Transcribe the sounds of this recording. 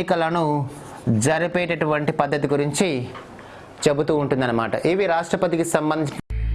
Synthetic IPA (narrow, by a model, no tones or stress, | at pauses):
ikɐlɐnu | d͡ʒɐɾipɛːʈeʈuʋɐɳʈipɐd̪ʱːɐt̪̬iɡuɾiɲt͡ʃi | t͡ʃe̞but̪uːɳʈund̪ɐnːɐmaːʈɐʔiːʋiɾaːʂʈɾɐpɐt̪ikisɐmbɐnd̪ʱi